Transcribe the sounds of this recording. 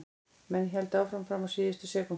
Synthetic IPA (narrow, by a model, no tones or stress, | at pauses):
mɛnçɛlt̪aːwfɾamfɾamasiːðɪst̪ɪsɛːkʊ